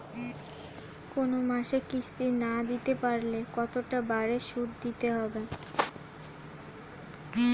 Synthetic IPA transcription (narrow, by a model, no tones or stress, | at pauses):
konomaʃekist̪inad̪it̪epaɾlekɔt̪oʈabaɾeʃuɾd̪it̪eɦɔbe